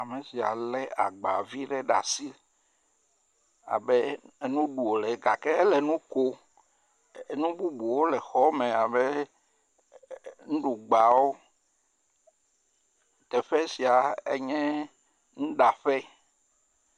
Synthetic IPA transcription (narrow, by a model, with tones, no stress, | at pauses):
a˨mẽ˨si˨a̰˨lɛ˦a˨ɡ͡ba˨vi˦ɖɛ˦ɖa̰˨si˦ | a̰˨bɛ˦nũ˦ɖu˨o˨lɛ˨ɡa˨kɛ˦lɛ˨nũ˦ko˦ | nũ˦bu˦bu˨wo˦lɛ˨xɔ˦mɛ̃˨a˨bɛ˦ | nũ˦ɖu˨ɡ͡ba˨wo˦ | t̪ɛ˨ɸɛ˦si˨a˨e˦ɲɛ̃˦ | nũ˦ɖa˨ɸɛ˦